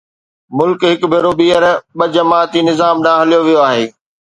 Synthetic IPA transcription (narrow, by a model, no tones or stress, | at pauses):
mʊlkɦɪkbʱeːɾobiːəɾɓɐd͡ʑɐmaːt̪inɪzaːmɗaːɦəlijoʋijoaːɦeː